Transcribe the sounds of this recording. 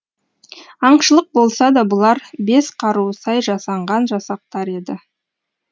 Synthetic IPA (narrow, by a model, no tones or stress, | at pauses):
ɑɴʃəlˠəq̚bo̞lˠsɑd̪ɑbʊlˠɑɾbe̞sqʰɑɾuəsɑjʒɑsɑɴʁɑnʒɑsɑq̚t̪ɑɾe̞d̪ɪ